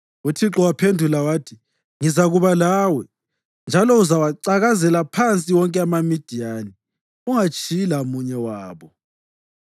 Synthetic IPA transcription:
utʰiǁɔwapʰendʱulawaːtʰi | ŋizaɣuβalaːwɛ | nd͡ʒʱalɔuzawaǀaɣazɛlapʰant͡sʼiwɔŋkʼɛamamid̥ʱiaːni | uŋat͡ʃʼilaumuɲɛwaːβɔ

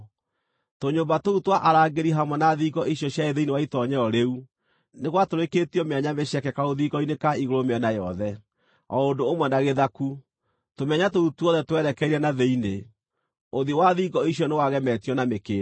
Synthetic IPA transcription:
toɲoːbatoutwaʔaɾaːɡeɾiɦamwɛnaðiɡɔʔiɕjɔɕjaeðeinewaitɔɲɛɔɾeu | neɣwatoɾeketiɔmeaɲameɕɛkɛkaoðiɡɔinekaiɣoɾomeɛnajɔðɛ | ɔondoːmwɛnaɣeðaku | tomɛɲatoutuɔðɛtwɛɾɛkɛiɾɛnaðeine | oðiwaðiɡɔiɕjɔnewaɣɛmɛtijɔnamekeː

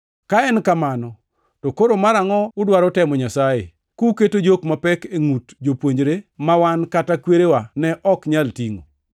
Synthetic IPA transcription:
kaɛnkamanɔ | tokoɾomaɾaŋɔʊdwaɾɔtɛmɔɲasajḛ | kuketod͡ʒokmapɛkeŋutd͡ʒopwoɲd͡ʒɾemawankatakweɾewanɛʔɔkɲaltiŋo̰

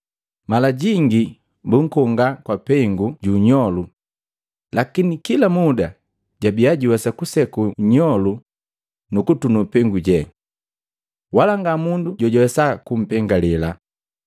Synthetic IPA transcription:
malaɟiŋɡi | buŋ̩kɔŋɡakwapɛŋɡuɟuɲɔlu | lakinikilamuda | ɟabiaɟuwɛsakusɛkuɲɔlu | nukutunupɛŋɡuɟɛ | walaŋɡamunduɟɔɟɔwɛsakum̩pɛŋɡalɛla

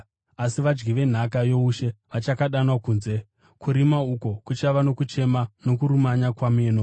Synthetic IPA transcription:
asiʋad͡ʒɡiʋe̞n̤akajo̞uʃe̞ʋat͡ʃakaɗanwakuːnze̞ | kuɾimauko̞kut͡ʃaʋano̞kut͡ʃe̞mano̞kuɾumaɲakwameːno

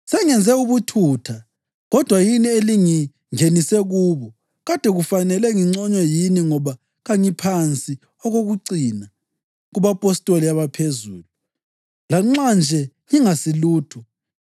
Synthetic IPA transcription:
sɛŋɛnd͡zʱɛuβutʰutʰa | ɣɔd̥ʱwajinieliŋi | ŋenisɛɣuːβɔ | ɣad̥ʱɛɣufanɛlɛŋiŋ͡ǀɔɲɛjiniŋɔβa | ɣaɲipʰant͡sʼi | ɔɣoɣuǀina | ɣuβapʼɔstʼoliaβapʰezuːlu | laŋ͡ǁand͡ʒʱɛ | ŋiŋasiluːtʰu

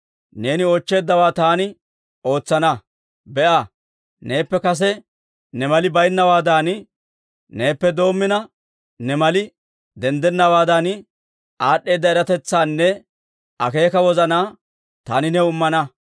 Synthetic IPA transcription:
ne̞ːnɪoːt͡ʃːe̞ːd̪ːɐwaːt̪aːnɪ | o̞ːt͡sːɐnɐ | bɛʔɐ | ne̞ːpːɛkɐs̬ɛ | nɛmɐlɪbɐjnːɐwaːd̪aːn | ne̞ːpːɛd̪o̞ːmːɪnɐ | nɛmɐlɪ | d̪ɛnd̪ɛnːɐwaːd̪ɐn | ʔaːɗːe̞ːd̪ːɐɛɾɐt̪ɛt͡sːaːnːɛ | ɐke̞ːkɐwɔzɐnaː | t̪aːnɪnɛʊmːɐnɐ

